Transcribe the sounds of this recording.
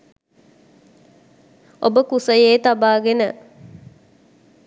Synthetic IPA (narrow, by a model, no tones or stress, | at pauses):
obəkusəjeːt̪abaːɡenə